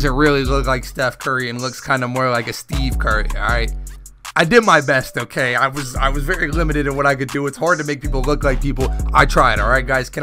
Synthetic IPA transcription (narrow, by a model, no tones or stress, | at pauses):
zɨ̃ntɹɪlˠilʊklaɪkstɛfkʰɜ˞iɨ̃nlʊkskʰãɪ̃ndəmɔɹlaɪkɨstiv̥kʰɜ˞ḭɹa̰ɪt̚ | aɪdɨd̚maɪbɛstoʊkʰeɪaɪwʌza̰ɪwʌzvɛɹilɪ̃mɨɾɨɾɨ̃nwʌɾaɪkɨdɨːtshɑɹd̚tɨmeɪk̚pʰipl̩ˠlʊklaɪk̚pʰipl̩ˠa̰ɪtʰɹ̥aɪɨɾɔlˠɹaɪt̚ɡ̥aɪz̥kʰɨ̃n